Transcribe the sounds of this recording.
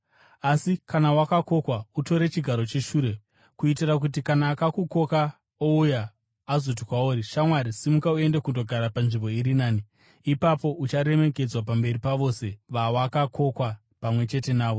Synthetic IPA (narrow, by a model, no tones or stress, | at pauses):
asikanawakako̞kwauto̞ɾe̞t͡ʃiɡʱaɾo̞t͡ʃe̞ʃuːɾe̞ | kuitirak̬ut̬ikanaːkakuko̞ka | oujaː | zo̞t̬ikwauːɾiʃamwaɾisimukaue̞ndekundo̞ɡʱaɾapanʐimbo̞iɾinaːniː | papo̞ʔut͡ʃaɾe̞me̞ke̞d͡zwap̬ambe̞ripaʋo̞ːse̞ʋawakakʰo̞kwa | pamwe̞t͡ʃe̞te̞naːʋo̞